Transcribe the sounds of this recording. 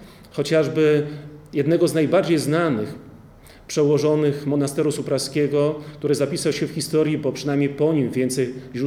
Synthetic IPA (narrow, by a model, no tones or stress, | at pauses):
xɔt͡ɕaʐbɘjɛd̪̚nɛɡɔznajbaɾd͡ʑejznanɘ̰x | pʂɛwɔʐɔnɘxmɔnast̪ɛɾusupɾaskʲɛɡɔkt̪uɾɘzapʲisawɕɛfxʲist̪ɔɾjibɔpʂɘnajmʲɲejpɔɲimvʲjɛnt̪sɛjʑɾu